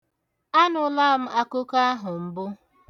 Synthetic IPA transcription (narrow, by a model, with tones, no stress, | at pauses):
a˦nʊ˨˦la˦m̩˦a˦kʊ˦ka˦a˦ɦʊ˨m̩˦bʊ˦